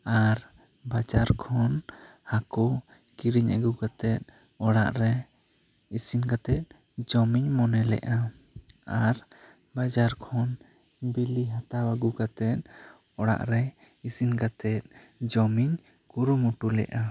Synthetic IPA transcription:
aɾ | bad͡ʒaɾkʰɔn | haku | kiɾiɲa̰ɡuɡat̪ɛt̪̚ | ɔɽa̰ʔɾɛ | isinɡat̪ɛt̪̚ˀ | d͡ʒɔmiɲmɔnɛlɛ̰ʔa | aɾ | bad͡ʒaɾkʰɔn | biliɦat̪awaɡuɡat̪ɛt̪̚ | ɔɽa̰ʔɾɛ | isinkat̪ɛt̪̚ˀd͡ʒɔmiɲ | kuɾumuʈulɛ̰ʔa

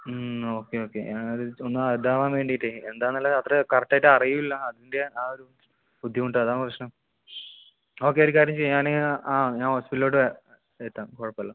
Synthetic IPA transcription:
o̞ːkːeo̞ːkːe̞̰ɲaːnoðɨonːɨɐɾd̪ʱaːʋaːnʋe̞ːɳɖijiʈːɨend̪aːnːɐːlːɐɐt̪rɐkɐrɐk̚ʈːaːjʈːɨɐrijumilːɐɐðindeaːoɾu | pud̪ʱːjɐmuɳɖɨɐðaːnprɐɕɳɐm | o̞ːk̬ːe̞oɾukaːɾjɐmt͡ɕejuɲaːnaːɲaːnhoːspiʈːloːʈːɨ | et̪ːamkoɻɐpːɐlːɐ

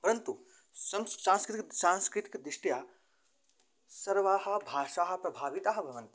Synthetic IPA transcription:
pɐɾɐnt̪u | sɐmssãːnskɾit̪iksãːnskɾit̪i̥kd̪ɾiʂʈjaː | sɐɾʋaːɦɐ̆bʱaːʂaːɦɐ̆pɾɐbʱaːʋit̪aːɦɐbʱɐʋɐnt̪

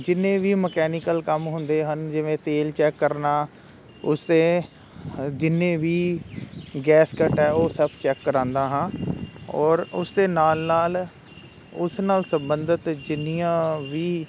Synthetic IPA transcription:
d͡ʒɪnːẽːʋiːməkɛːnɪkəlkəmɦʊnd̪eːɦənd͡ʒɪʋẽːt̪eːlt͡ʃɛːkːəɾnaː | ʊsd̪ẽː | d͡ʒɪnːẽːʋiː | ɡɛːskəʈɛːoːsəbt͡ʃɛːkːəɾãːnd̪aːɦãːɔːɾʊ̰sd̪eːnaːlnaːl | ʊsnaːlsəmbənd̪ət̪d͡ʒɪnːɪjãːʋiː

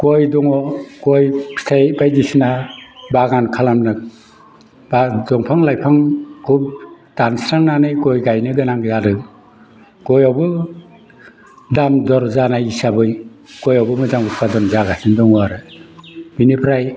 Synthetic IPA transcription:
kojdɔŋɔkɔjsʰejbajdisinabaɡankʰalamnɯk̚ | badɔŋpʰaŋlajpʰaŋkʰub̚tansɾaŋnanɯjkɔjɡajnɯɡɯnaŋzadɯ | kɔjawbɯ | damdɔɾzanajisabɯjkɔjawbɯmɯzamut̚pʰadɔnzaɡasindɔŋɔaɾɯ | b̥inipʰɾaj

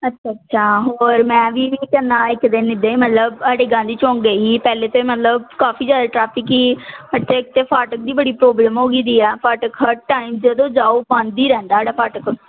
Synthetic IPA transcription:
ətːʃʰaːətːʃʰaːɦoːɾmɛ̃ːʋiːʋiːkənːãːɪkd̪eːnɪd̪eːmət̪ləbəɽeɡãːd̪iːt͡ʃɔ̃ːŋɡəiːpɛːleːt̪õːimət̪ləbkaːfʰiːd͡ʒjaːd̪aːʈɾaːpʰɪkiːmət̪eɪk̚t̪eːpʰaːʈək̚d̪iːbəɽiːpɾoːbləmɦoːɡiːd̪iːɛːpʰaːʈəkɦəʈaːiːmd͡ʒəd̪õːd͡ʒaːuːpãːnd̪iːɾɛ̃ːnd̪aːɖaːpʰaːʈək

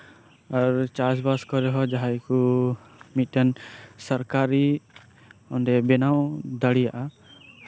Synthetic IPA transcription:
aɾt͡ʃasbaskɔɾɛɦɔd͡ʒaɦajku | mit̪̚ˀkansɔɾkaɾi | ɔnɖɛbɛnawd̪aɽijaʔa

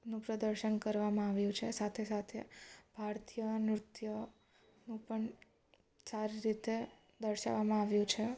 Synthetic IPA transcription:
nũpɾəd̪əɾʃənkəɾʋamãaʋjũt͡ʃʰesat̪ʰesat̪ʰeb̥ʱaɾt̪ijənɾut̪jə | nũpəɳ | saɾiɾit̪e | d̪əɾʃa̰ʋamãaʋjũt͡ʃʰe

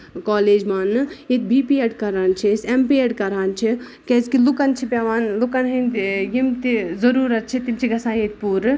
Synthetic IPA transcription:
kɔːleːd͡ʒmaːnːɨjet̪̚bʱiːpieɖkɐɾaːnt͡ʃʰisempieɖkɐɾaːnt͡ʃʰi | keːzkilukɐnt͡ʃʰipʲaːʋaːnlukɐnɦɐ̃nd̪jimt̪izɐɾuːɾɐt̪̚t͡ʃʰit̪imt͡ʃʰiɡɐsãːjet̪̚puːɾ

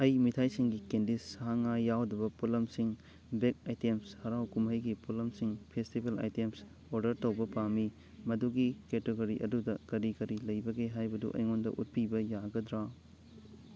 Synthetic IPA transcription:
ɐjmitʰajsiŋɡikendisaɦaŋajawdɐbɐpulɐmsiŋ | bekajtemshɐɾawkumɦɐjɡipulɐmsiŋpʰestibʱela̰jtems | oɾdɐɾtɐwbɐpami | mɐduɡiketeɡɐɾiʔɐdudɐkɐɾikɐɾilɐjbɐɡeɦajbɐdṵʔɐ̰jŋondɐ̰ʔut̚pibɐjaɡɐd̪ɾa

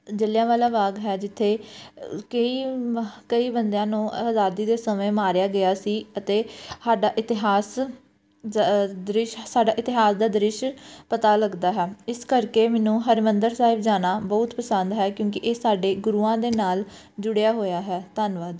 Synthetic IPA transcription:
d͡ʒəljãːʋaːlaːʋaːɡɦɛːd͡ʒɪt̪ʰːeː | kəiːkəiːbənd̪jãːnũːəzaːd̪iːd̪eːsəmẽːmaːɾjaːɡəjaːsiːət̪eːsaːɖaːʔɪt̪ɪɦaːs | d̪ɾɪʃsaːɖaːʔɪt̪ɪɦaːsd̪aːd̪ɾɪʃpət̪aːləɡd̪aːɦɛːɪskəɾkeːmɛːnũːɦəɾmənd̪əɾsaːɦɪbd͡ʒaːnaːbɔːʊt̪pəsə̃nd̪ɦɛːkjõːkɪʔeːsaːɖeːɡʊɾuːãːd̪eːnaːl | d͡ʒʊɽejaːɦoːjaːɦɛːt̪aːnʋaːd̪

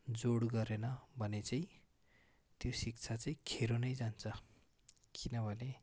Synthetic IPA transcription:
d͡zoɽɡʌɾenʌbʱʌnet͡sai | t̪josikt͡sʰat͡saikʰeɾonʌjd͡zant͡sʌ | kinʌbʱʌle

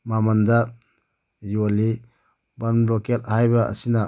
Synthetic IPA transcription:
mamanda | joli | banblɔket̚hajbaɐ̰sina

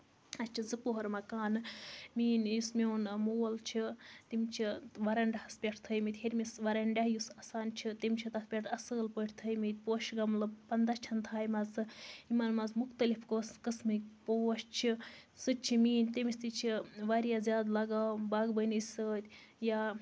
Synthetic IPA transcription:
ɐst͡ʃʰizɨpoɦɐɾmɐkaːnɨmiːnjusmʲoːnmoːlt͡ʃʰit̪imʲt͡ʃʰiʋɐɾɐɳɖʲɐhɐspʲeʈʰt̪ʰəjmit̪ʲheɾʲmisʋɐɾɐɳɖʲaɦjusɐsaːnt͡ʃʰit̪imʲt͡ʃʰit̪ɐspʲeʈʰɐsəːlpəʈʰʲt̪ʰəjmit̪̚ʲpoːʃɡɐmlɨpɐnd̪ɐt͡ʃʰɐnt̪ʰaːjmɐzɨimɐnmɐzmuxt̪ɐlifkoskɨsmɨkpoʃt͡ʃʰi | sɨt͡ʃʰimiːnʲt̪ʲimist̪it͡ʃʰiʋaɾijazʲjaːd̪lɐɡaːbaɡbənɨsʲəːt̪ʲ | ja

